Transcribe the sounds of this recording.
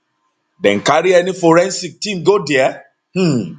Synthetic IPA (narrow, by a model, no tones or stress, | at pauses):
dɛ̰̃nkaɾiɛnifoɾɛ̃nsik̚tĩmɡodɛa | h̩